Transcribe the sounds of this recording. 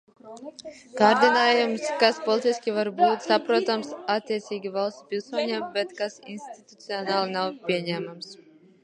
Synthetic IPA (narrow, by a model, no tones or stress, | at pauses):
kaːɾd̪inaːjumskaspɔlˠit̪isʲkʲivaɾbuːt̪sapɾuɔt̪amsat̪ʲːiɛt̪sʲiːɡʲivalˠst̪pʲilˠsuɔɲeːmbɛt̪kasḭnst̪it̪u̥t̪siɔnaːlˠinawpʲiɛɲæːmams